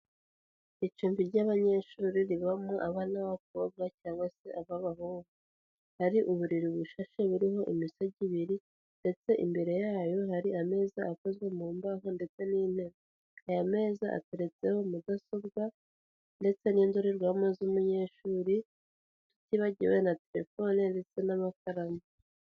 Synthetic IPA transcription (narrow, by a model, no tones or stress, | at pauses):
it͡ʃuːmviɾɟaβaɲe̞ʃuːɾiɾiβamoʔaβanaβak̚o̞b̚ɡacaːŋɡwase̞ʔaβaβahoːβu | haɾiʔuβuɾiɾiβuʃaʃeβuɾiɦo̞ʔimisoɟiβiɾi | nde̞t͡se̞ʔḭmbe̞ɾe̞jaːjo̞ɦaɾiame̞ːzaako̞zɡwe̞muːmbaɦonde̞t͡se̞niːn̥eɾa | ajame̞ːzaʔa̰teɾe̞t͡se̞ho̞mudaso̞bɡa | nde̞t͡se̞niːnduɾeɾɡwaːmozumuɲe̞ːʃuːɾi | tu̥tiβaɟiwenate̞ɾe̞̰fo̞ninde̞t͡se̞namakaɾama